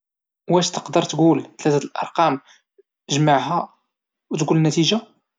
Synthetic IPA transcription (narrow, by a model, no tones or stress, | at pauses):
wæʃt̪ə̥qd̪əɾˤt̪ɡult̪læt̪æt̪lʔɑ̰ɾˤqɑm | ʒmaʕɦæ | wt̪ɡulnːæt̪iʒa